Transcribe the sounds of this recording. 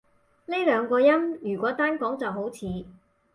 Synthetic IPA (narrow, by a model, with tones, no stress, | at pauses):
le˥lœː˨˧ŋkɔː˧jɐ˥mjyː˨˩kʷɔː˨˥t̪aː˥nkɔː˨˥ŋt͡sɐ˨wɦo˨˥wt͡sʰiː˨˧